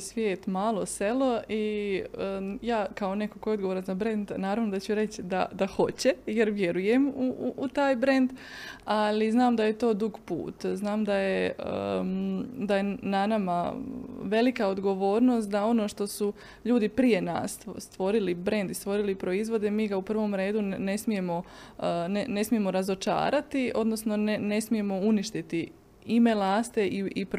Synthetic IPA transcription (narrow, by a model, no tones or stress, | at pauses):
sʋjeːt̪maːlˠose̞lo̞i | jaːkao̞ne̞koko̞jeod̪ɡo̞ʋoɾazabɾend̪naːɾaʋno̞d̪at͡ɕuɾe̞t͡ɕd̪a̰d̪aho̞t͡ɕejeɾʋje̞ɾujemuuʔut̪aːjbɾe̞nd̪aliznaːmd̪aje̞t̪o̞ːd̪uɡpṵːt̪znaːmd̪ajeə̰ | d̪ajenanama | ʋe̞likaod̪ɡo̞ʋo̞ːɾno̞ːst̪̚d̪ao̞no̞ʃt̪o̞su | ʎuːd̪ipɾije̞na̰ːsst̪ʋo̞ɾilibɾe̞nd̪ist̪ʋo̞ɾilipɾo̞izʋo̞d̪e̞miːɡaupr̩ʋo̞mɾe̞ːd̪une̞smije̞mo̞ | nene̞smije̞mo̞ɾazo̞t͡ʃa̰ːɾat̪io̞d̪no̞sno̞nne̞smije̞mo̞uniʃt̪it̪i | ime̞laːst̪e̞ʔiip